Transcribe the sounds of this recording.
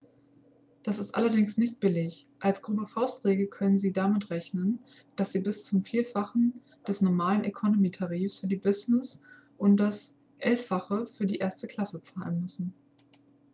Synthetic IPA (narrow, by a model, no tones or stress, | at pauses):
d̥asɪstʔa̰lɐdɪŋsnɪçt̚b̥ɪlɪç | ʔalsɡ̥ʁubəfaʊstʁ̥eːɡəkʰœnənziːdamɪtʁɛçnən | d̥asz̥iːbɪst͡sʊmfiːɐfaχn̩ | d̥ɛsnɔɐmaːlənʔekʰɔnomiːtʰaʁiːfsfyːɐdiːbɪznɪs | ʔʊnt̚d̥as | ʔɛlfaχəfyːɐdiːʔeːɐstəkʰl̥asət͡saːlənmʏsn̩